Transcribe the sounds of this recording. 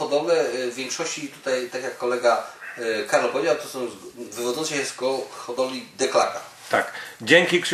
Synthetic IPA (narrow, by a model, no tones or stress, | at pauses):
ɔd̪ɔvɛvʲjɛ̃ŋkʂɔɕt͡ɕit̪ut̪ajt̪akʲjakːɔlɛɡa | kaɾlɔpɔvʲjed͡ʑawt̪ɔsɔ̃w̃vɘvɔd̪ɔnt̪sɛjɛst̪ɡɔxɔd̪ɔlʲid̪ɛkla̰ka | t̪akd͡ʑeŋkʲikt̪